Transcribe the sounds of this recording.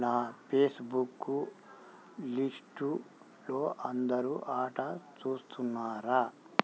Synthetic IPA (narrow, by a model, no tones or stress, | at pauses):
naːpʰeːsbukːu | lisʈu | lo̞ːʔɐnd̪ɐɾuːʔaːʈɐt͡ʃuːst̪ʰunːaːɾa